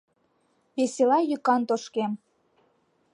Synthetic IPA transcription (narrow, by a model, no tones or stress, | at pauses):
βeselɑjykɑnt̪oʃkem